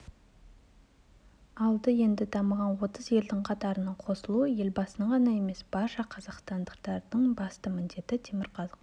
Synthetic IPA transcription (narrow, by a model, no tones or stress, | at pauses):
ɑlˠd̪əje̞nd̪ɪd̪ɑməʁɑnwo̞t̪əzje̞ld̪ɪŋqʰɑt̪ɑɾənɑɴqʰo̞səlˠuəje̞lbɑsənʁɑnɑe̞me̞sb̥ɑɾʃɑqʰɑzɑqst̪ɑnd̪əqt̪ɑɾd̪əɴbɑst̪əmɪnd̪e̞t̪ɪt̪ʰemɪɾqʰɑzəq